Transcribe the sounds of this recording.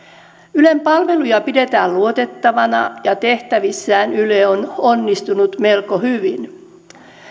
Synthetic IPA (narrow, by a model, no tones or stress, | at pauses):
ylempɑlʋe̞lujɑpide̞t̪æːlluot̪e̞t̪ːɑʋɑnɑ̰jɑt̪e̞ht̪æʋisːæːnyleononːist̪unut̪me̞lkohyʋin